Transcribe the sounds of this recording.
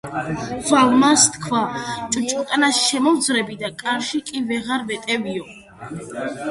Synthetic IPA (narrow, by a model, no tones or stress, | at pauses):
zalmast̪ʰkʰwat͡ʃʼt͡ʃʼɔt̪ʼanasʃɛmɔvd̪zɾɛbid̪akʼaɾʃikʼivɛʁaɾvɛt̪ʼɛviɔ